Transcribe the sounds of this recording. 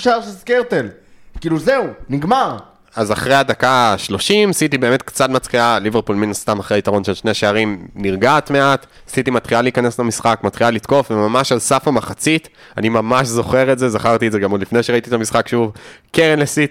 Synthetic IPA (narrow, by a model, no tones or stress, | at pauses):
ʃaʁʃezkeʁt̪el | kiːluzeuniɡmaʁ | azaχʁejad̪akaʃlo̞ʃimasit̪ibe̞me̞t̪̚kt͡sat̪mat͡sχialiveʁpulminast̪amaχʁeait̪aʁo̞nʃelʃne̞aʃeaʁimniʁɡaːt̪me̞at | asitimat̪χialeikaneslamisχakmat̪χialit̪ko̞fvemamaʃalsafamaχat͡sit̪ | animamaʃzo̞χe̞ʁetzezaχaʁt̪iezeɡamodlifnejʃe̞ʁait̪it̪amisχakʃuvkeʁenlesit